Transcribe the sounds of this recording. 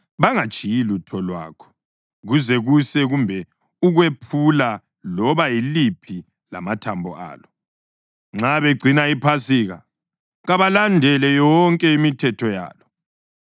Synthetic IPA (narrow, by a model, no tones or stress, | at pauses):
βaŋad̥ʒ̥ʱijilutʰɔlwa̰ːkʰɔ̥ | ɣuzɛɣusɛɣumbʱɛ | uɣwepʰula | lɔβajilipʰi | la̰matʰambʱɔ̰ʔa̰ːlɔ | ŋ͡ǁaβeɡ͡ǀʱinaipʰasiːɣa | ɣaβalandʱɛlɛjɔŋkʼɛimitʰɛtʰɔja̰ːlɔ